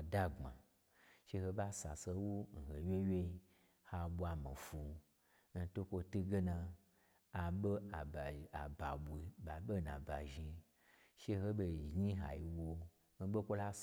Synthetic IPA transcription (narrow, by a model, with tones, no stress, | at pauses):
da˦ɡ͡ba̰˨ | ʃe˧ho˧ba˦sa˨se˧˦wu˦n̩˨he˨wʲe˦we˦ | ha˧ɓʷu˦a˧mã˨fu˧ | n̩˧to˦kʷo˧tu˦ɡe˦nã˧ | a˨ɓe˦a˨a˨ba˨ɓʷi˨˧ba˨ɓe˦˨nã˨ba˨ʒi˧ | ʃe˦ho˦be˧˨ʒɲi˦ɦa̰˨ji˧wo˧ | n̩˦ɓo˦kʷo˦la˦s